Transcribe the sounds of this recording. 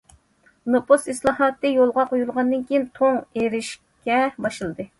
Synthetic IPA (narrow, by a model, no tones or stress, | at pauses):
noposislˠɑhɑt̪ːɨjolˠʁɑqojulˠʁɑnd̪ɨnkʲʰijint̪ʰoŋeɾɪʃ | kʲʰɛbɑʃɨlˠɨd̪ɨ